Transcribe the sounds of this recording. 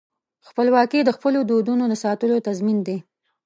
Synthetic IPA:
xpəlwɑked̪əxpəlod̪od̪unod̪əsɑt̪əlot̪azmind̪e

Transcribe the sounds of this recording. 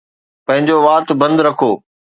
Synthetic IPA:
pɐ̃ɦɪ̃ɲd͡ʑoʋaːt̪bɐ̃nd̪ɾɐkʰoː

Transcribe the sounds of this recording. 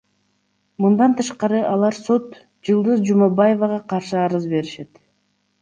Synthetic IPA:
mɯnd̪ɑnt̪ʰɯʃqɑɾɯʔɑlˠɑɾso̞t̪ | d͡ʒɯlˠd̪ɯzd͡ʒumɑbajevɑʁɑqɑɾʃɯɑɾɯzbe̞ɾiʃe̞t̪

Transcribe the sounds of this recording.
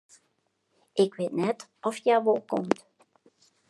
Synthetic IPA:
ʔɪkʋeːtnɛtʔɔfjaʋɔlˠkɔmt

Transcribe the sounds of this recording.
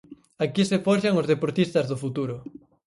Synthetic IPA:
akisefɔʃaŋozðepoɾt̪ist̪ɐzðʊfut̪uɾʊ

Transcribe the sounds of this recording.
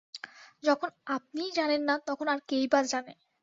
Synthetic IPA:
d͡ʑɔkʰonap̚nid͡ʑanenːat̪ɔkʰonaɾkejbaɾd͡ʑane

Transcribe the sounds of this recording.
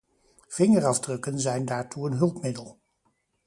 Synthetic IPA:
v̥ɪŋərɑvdrɵkənzɛjndaːɹtuənɦɵlˠpmɪdəlˠ

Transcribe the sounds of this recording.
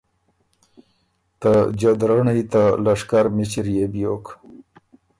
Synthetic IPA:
t̪ad͡ʒad̪ɾaɳajt̪alaʂkaɾmit͡ʃiɾjebjok

